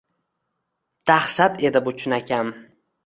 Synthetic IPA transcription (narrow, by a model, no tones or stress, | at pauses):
d̪̥aχʃat̪e̞d̪ɪbʊt͡ʃʰʊnakʲʰan